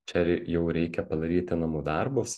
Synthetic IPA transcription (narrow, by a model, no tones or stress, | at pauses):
t͡ʃʲɛɾjɛʊɾʲɛɪkʲɛpɐd̪ɐɾʲiːt̪ʲɪnɐmuːd̪ɐɾbʊs